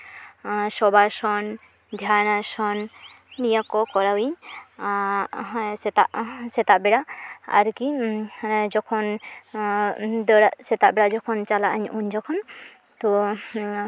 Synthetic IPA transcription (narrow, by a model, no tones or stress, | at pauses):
sɔbasɔn | d̪ʱjanasɔnnijakɔkɔɾawiɲ | sɛt̪a̰ʔsɛt̪aʔbɛɽaa̰ɾki | d͡ʒɔkʰɔn | d̪əɽaʔsɛt̪aʔbɛɽaʔd͡ʒɔkʰɔnt͡ʃalaʔaɲuɲd͡ʒɔkʰɔn | t̪ɔ